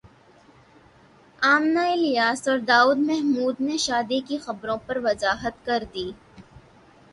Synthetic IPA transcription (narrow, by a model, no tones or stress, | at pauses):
aːmnaɪlɪjaːsɔːɾd̪aːuːd̪mɛɦmuːd̪neʃaːd̪ikixɐbɾõpɐɾʋɐzaːɦət̪̚kɐɾd̪iː